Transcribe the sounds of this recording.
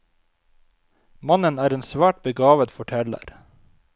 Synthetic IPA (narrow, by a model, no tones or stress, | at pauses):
mɑnənæːɾeːnsʋæːʈ̚bəɡɑːʋət̪fɔʈʰɛlə̰ɾ